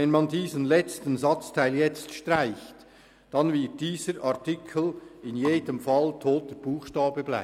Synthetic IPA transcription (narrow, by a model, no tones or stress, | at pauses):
ɛnmɑndiːzənlɛt͡stənzɑt͡stʰaɪljɛt͡stʃtʁaɪçt | d̥ɑnvɪt̚d̥iːzəɾʔaʁtɪkʰlɪnjeːdəmfɑltʰoːtəɾb̥uːχʃtɑːbəbla̰ɪ